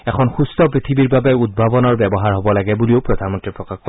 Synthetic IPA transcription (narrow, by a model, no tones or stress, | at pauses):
ɛkʰɔnxustɔpɹit̪ʰibiɹbabɛud̚bʱabɔnɔɹbɛbɔɦaɹɦɔbɔlaɡɛbulioʊpɹɔdʱanmɔntɹipɹɔkaxkɔ